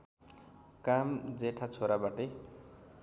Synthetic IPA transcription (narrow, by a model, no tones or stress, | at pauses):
kamd͡zeʈʰat͡sʰoɾabaʈe